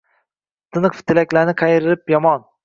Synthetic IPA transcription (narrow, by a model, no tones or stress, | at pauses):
t̪ʰɪnɨqft̪ʰɪlakʲlaɾnɪqʰɑjɾɪɾɪpjɒmɒn